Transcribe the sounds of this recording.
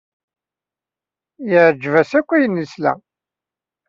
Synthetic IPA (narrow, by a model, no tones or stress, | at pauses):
jəʕd͡ʒvæsækʷːæjənːislæ̰